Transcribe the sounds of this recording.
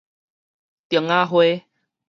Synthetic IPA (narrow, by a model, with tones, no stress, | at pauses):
t̪jo˨˩ŋa˦ɦwe˦